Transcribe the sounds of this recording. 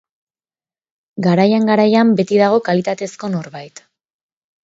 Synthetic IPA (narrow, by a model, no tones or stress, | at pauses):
ɡaɾajaŋɡaɾajambe̞t̪iðaɣ̞o̞kalit̪at̪e̞sko̞no̞ɾβajt̪